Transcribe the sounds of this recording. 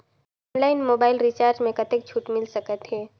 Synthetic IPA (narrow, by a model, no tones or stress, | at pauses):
ɔːnlaːɪnmoːbaːɪlɾit͡ʃaːɾd͡ʒmẽkɐt̪ek̚t͡ʃʰuːʈmɪlsɐkət̪ɦɛː